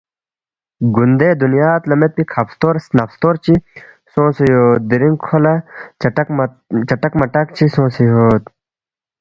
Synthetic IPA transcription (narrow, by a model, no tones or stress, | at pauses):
ɡund̪ed̪unjaːt̪lɐmet̪̚pikʰɐpst̪oːɾsnɐpst̪oːɾt͡ɕi | sõːsijoːt̪̚d̪iɾiŋkʰːolɐ | k | t͡ɕɐʈɐkmɐʈɐk̚t͡ɕʰisõːsijoːt̪